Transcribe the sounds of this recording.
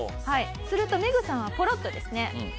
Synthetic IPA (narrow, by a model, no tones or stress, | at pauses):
hai | sɨɾɯ̟t̪o̞me̞ɡɯ̟sãɰ̃β̞apo̞ɾo̞t̪ːo̞d̪e̞sɨne̞